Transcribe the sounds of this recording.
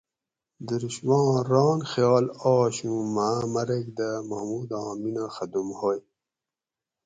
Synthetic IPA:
d̪əɾuɕwɑ̃ːɾɑːnxjɑːlɔːɕũmaːmɐɾekd̪əmaːmuːd̪ɑ̃ːminaxad̪umhoj

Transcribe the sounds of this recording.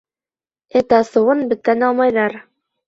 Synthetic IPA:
ɘt̪ɑsɤ̆wɤnbɘ̆t̪ːænɑlˠmɑjlˠɑɾ

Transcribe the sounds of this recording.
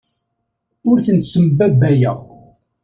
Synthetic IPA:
ʊɾθənt̪səmbæbːæjæ

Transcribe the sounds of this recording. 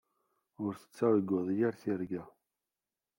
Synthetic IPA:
ʊɾθə̥t͡sːæwɡʊðˤjaɾθiɾɡæ

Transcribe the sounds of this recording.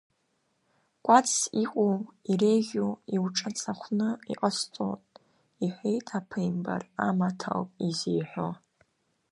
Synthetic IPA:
kʷʼat͡sʰiqʷʼowirejʒʲoiwʈ͡ʂʼat͡sʰʼaχʷnɨḭqʼəst͡sʼo̰tʼ | iħʷejtʼʰapʰɨjmba̰ra̰matʰa̰lpʼizijħʷo

